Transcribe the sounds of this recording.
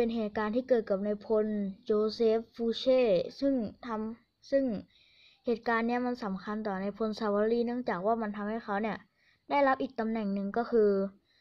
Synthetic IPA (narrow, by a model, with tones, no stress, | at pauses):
pe˧nɦeː˨˩t̪̚kaː˧nt̪ʰiː˥˩kɤː˨˩t̪̚ka˨˩p̚na˧jpʰo˧nt͡ɕoː˧seː˦˥pːuː˧sʰeː˥˩sɯ˥˩ŋt̪ʰa˧m | sɯ˥˩ŋ | heː˨˩t̪̚kaː˧nːi˦˥ɐma˧nsa˩˦mkʰa˧nt̪ɔː˨˩na˧jpʰo˧nsa˧waː˧liː˧˥˩nɯ˥˩əŋt͡ɕaː˨˩k̚waː˥˩ma˧nt̪ʰa˧mha˥˩jxʰa˦˥wni˥˩ɐ | da˥˩jla˦˥p̚ʔiː˨˩k̚t̪a˧mnɛ˨˩ŋnɯ˨˧ŋkɔː˥˩kʰɯː˧